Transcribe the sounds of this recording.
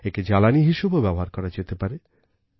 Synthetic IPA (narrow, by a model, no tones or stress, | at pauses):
eked͡ʑalaniɦiʃubobɛboɦaɾkɔɾad͡ʑet̪epaɾe